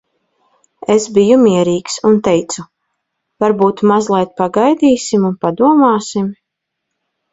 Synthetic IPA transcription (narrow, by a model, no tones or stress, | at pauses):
esbijumiɛɾiːksunt̪ɛjt̪su | vaɾbuːt̪mazlˠajt̪̚paɡajd̪iːsimunpad̪uɔmaːsim